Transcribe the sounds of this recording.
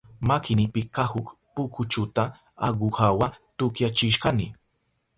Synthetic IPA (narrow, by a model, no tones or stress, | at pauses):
makɪnɪpɪkahʊkpʊkʰʊt͡ʃʊt̪a | aɢʊhawat̪ʊkjat͡ʃɪʃɢɑnɪ